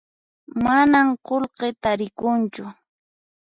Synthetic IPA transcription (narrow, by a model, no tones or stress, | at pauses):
manamqolqet̪aɾɪkʊnt͡ʃʊ